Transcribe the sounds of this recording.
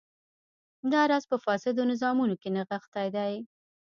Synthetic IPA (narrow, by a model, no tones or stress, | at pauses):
d̪ɑɾɑzpəfɑsɪd̪onɪzɑmunokenaɣaxt̪ajd̪aj